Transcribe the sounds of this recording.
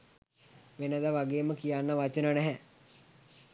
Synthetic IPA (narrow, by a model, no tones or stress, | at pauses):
ʋenəd̪aʋaɡeːməkijanːaʋat͡ʃənənɛɦɛ